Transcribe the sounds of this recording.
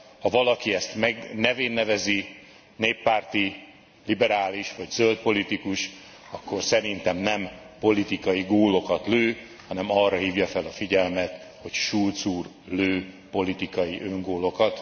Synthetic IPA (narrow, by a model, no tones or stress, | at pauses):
hɒvɒlɒkiɛst̪mɛɡnɛveːnːɛvɛzi | neːpːaːrt̪i | libɛɾaːliʃʋɒɟzølt̪̚po̞lit̪ikuʃ | ɒkːo̞rsɛɾint̪ɛmnɛmpo̞lit̪ikɒjiɡoːlo̞kɒt̪løː | hɒnɛmɒrːɒɦiːvjɒfɛlɒfiɟɛlmɛt̪ | ho̞cʃult̪suːr | løːpo̞lit̪ikɒjiʔøŋɡoːlo̞kɒt̪